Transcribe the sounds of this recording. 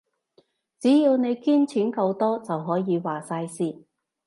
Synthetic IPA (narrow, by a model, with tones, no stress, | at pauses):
t͡siː˨˥jiː˧wne˨˧jkiː˥nt͡sʰiː˨˥nkɐ˧wt̪ɔː˥t͡sɐ˨wɦɔː˨˥jiː˨˧waː˨saː˧jsiː˥˩